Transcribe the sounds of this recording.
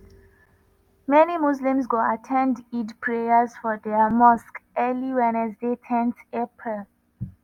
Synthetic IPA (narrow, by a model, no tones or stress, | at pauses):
mɛnimuslĩmsɡoatʰɛ̃ndidpʰɹejəzfɔdɛəmɔskʔɛliwɛ̃nɛsdetʰɛ̃ntepʰɹɛl